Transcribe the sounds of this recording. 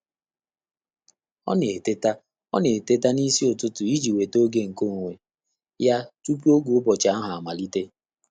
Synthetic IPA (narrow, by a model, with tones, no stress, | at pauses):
ɔ̰˦ne˨e˨te˦ta˦ | ɔ̰˦ne˨e˨te˦t̬a˦ni˦si˦o˨tʊ˦tʊ˨i˦d͡ʒi˨we˨to˦ɡe˦ŋ̩˨ko˦˨ŋʷe˨ | ja˦tu˦pu˦o˦ɡu˨˦bɔ˨t͡ʃa˦a˦ɦa˨a˨ma˨li˦te˦